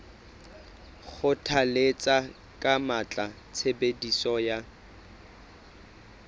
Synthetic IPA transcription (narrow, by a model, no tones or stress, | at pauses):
χʊtʰalet͡sʼa | kʼamat͡ɬʼa | t͡sʰebedisɔja